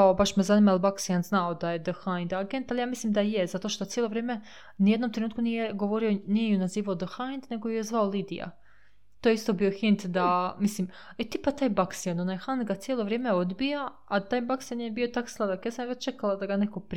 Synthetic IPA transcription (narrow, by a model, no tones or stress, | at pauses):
kaobaʃmezanimalbaksjanznaod̪ajed̪əxand̪aɡent̪alˠijaːmislimd̪ajezat̪o̞ʃt̪o̞t̪sjelo̞ʋɾjeːme̞ | nijed̪no̞mt̪ɾenuːt̪kunijeɡo̞ʋo̞ɾionijeunaziːʋaod̪əxajnd̪ne̞ɡojujezʋaolid̪ḭja̰ | t̪oːjeist̪o̞bio̞xint̪d̪amislim | et̪ipat̪aːjbaksjanonajxand̪ɡat̪sjelo̞ʋɾjeːmeod̪bija | at̪aːjbaksjanjebio̞t̪akslˠad̪akjesamjʋet͡ɕt͡ʃekalad̪aɡaneko̞pɾ